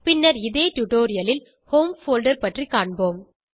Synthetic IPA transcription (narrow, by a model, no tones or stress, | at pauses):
pɪnːɐɾɪðeːʈʊʈoːɾɪjɐlɪl | hoːmfoːlɖɐɾpɐʈrikaːɳboːm